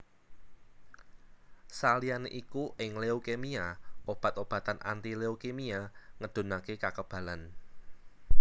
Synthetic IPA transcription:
salijaneʔikuʔɪŋleukemiaʔob̥a̤t̪ob̥ä̤t̪ana̰nt̪ileokemiaŋəɖ̪̥o̤nakekakəb̥ä̤lan

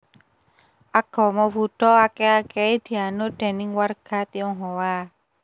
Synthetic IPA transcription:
ʔaɡ̥ɔ̤mɔbuɖ̥ɔakeakeed̪̥i̤anoɖ̪̥e̤nɪŋwarɡ̥a̤t̪iɔŋɦowa

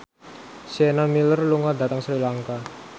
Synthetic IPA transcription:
sɛnamilərluŋadat̪əŋsɾilaŋka

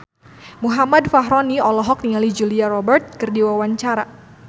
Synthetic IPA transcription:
muɦamadfaɦɾɔniɔlɔɦɔk̚niŋalid͡ʒuliaɾɔbɛrt̪̚kɨrdiwawaɲt͡ʃaɾa

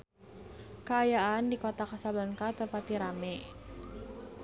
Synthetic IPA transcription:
kəːjaandikot̪akasabankat̪əpat̪iɾamɛ

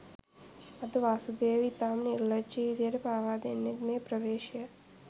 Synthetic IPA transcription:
ɐd̪ʋaːsud̪eːʋit̪amniɾlət͡ʃid͡ʒ̪eɾpaːʋad̪eniɡnepɾəʋeːʃjə

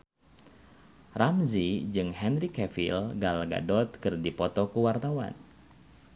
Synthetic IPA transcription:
ramzid͡ʒɨŋhɛnrikɛfḭlɡalɡa̰dɔt̪̚kɨrdipɔt̪ɔkəwart̪awa̰n

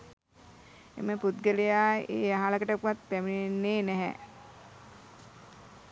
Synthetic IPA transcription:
ḛməput̪̚ɡəlejaːḛːaɦaləkəʈəpuʋat̪̚pæminenːeːnɛɦɛ̰

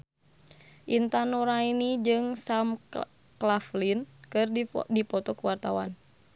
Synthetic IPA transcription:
ʔint̪anuɾainid͡ʒɨŋsam | klaflinkɨrdipɔt̪ɔkuwart̪awa̰n

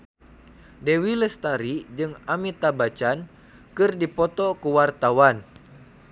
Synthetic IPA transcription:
dewiləst̪aɾid͡ʒɨŋamit̪abat͡ʃan | kɨrdipɔt̪ɔkuwart̪awan

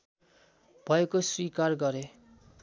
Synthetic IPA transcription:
b̥ʱʌekoswikarɡʌɾe

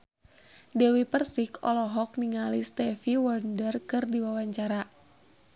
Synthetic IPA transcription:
dɛwipərsikɔlɔɦɔk̚niŋalist̪ɛfiwɔrndərkɨrdiwawaɲt͡ʃaɾa

